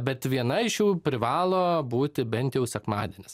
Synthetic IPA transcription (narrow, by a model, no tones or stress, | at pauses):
bʲɛt̪ʋʲiɛnɐɪʃjuːpʲɾʲɪʋɑːlˠoːbuːt̪ʲɪbʲɛnʲt̪jɛʊsʲɛkmɑːd̪ʲɛnʲɪs